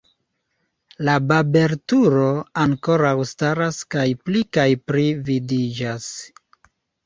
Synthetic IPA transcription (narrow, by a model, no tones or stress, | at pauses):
lababe̞ɾtuɾo̞aŋko̞ɾawstaɾaskajplikajpɾividid͡ʒas